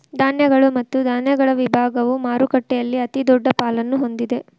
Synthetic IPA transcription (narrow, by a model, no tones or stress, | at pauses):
d̪aːnjɐɡɐɭumɐt̪ːud̪ʱaːnjɐɡɐɭɐʋibʱaːɡɐʋumaːɾukɐʈːɛjɐlːiɐt̪id̪ɔɖːɐpaːlɐnːuɦo̞nd̪id̪e̞